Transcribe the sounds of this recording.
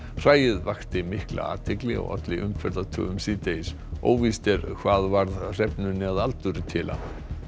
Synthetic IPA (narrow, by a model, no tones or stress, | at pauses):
r̥aːjɪðvaxt̪ɪmɪhkla̰a̰ːt̪ʰɪklɪɔ̰ɣœ̰t̪lɪʔʏmfɛɾt̪at̪ʰœ̰ːɣʏmsiːt̪ejs | o̰ːwvist̪ɛɾkʰvaːðvaɾðr̥ɛpnʏnːɪaðalt̪ʏɾɪt̪ʰɪːlʔa̰